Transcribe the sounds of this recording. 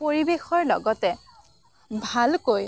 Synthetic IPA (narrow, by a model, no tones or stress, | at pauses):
poɹibexɔɹlɔɡɔtɛ | bʱalkoj